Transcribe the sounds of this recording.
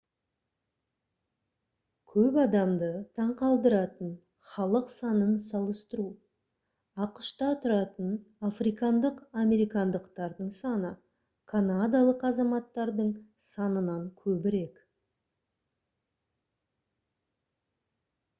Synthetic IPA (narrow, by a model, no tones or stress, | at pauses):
kʲʰɵpɑd̪ɑmd̪ət̪ʰɑɴqɑlˠd̪əɾɑt̪ən | χɑlˠəqsɑnənsɑlˠəst̪əɾu | ɑqəʃt̪ɑt̪ʰʊɾɑt̪ənafrijkɑnd̪əqamʲe̞ɾijkɑnd̪əqt̪ɑɾd̪əɴsɑnə | kʰanad̪alˠəqɑzɑmɑt̪ːɑɾd̪əɴsɑnənɑɴkʲʰɵbɪɾek